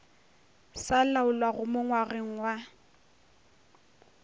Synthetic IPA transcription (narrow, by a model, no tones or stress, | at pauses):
salaʊlwaɣʊmʊŋwaɣeŋ̩wa